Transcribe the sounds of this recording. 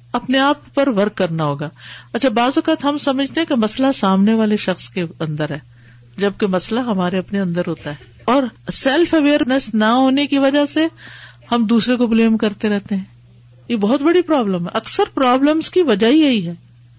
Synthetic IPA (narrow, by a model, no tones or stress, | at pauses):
ɐpneaːppɐɾʋɐɾkːɐɾnaɦoːɡaːɐtːʃʰabaːzʋɐkaːt̪ɦɐmsɐməd͡ʒʱt̪eɦɛ̃kemɐslasaːmneʋaːleʃɐxskeɐ̃nd̪əɾɦɛː | d͡ʒɐb̚kemɐslaɦɐmaːɾeɐpneɐ̃nd̪əɾɦoːt̪aɦɛː | ɔːɾsɛlfʰɐʋeːəɾnəsnaɦoːnekiʋɐd͡ʒase | hɐmd̪uːsɾekobleːmkɐɾt̪eɾɛɦt̪eɦɛ̃ː | jebɔːt̪bɐɽipɾɔːbləmɦɛ̰ʔɐksəɾpɾɔːbləmzkiʋɐd͡ʒaɦiaiɦɛː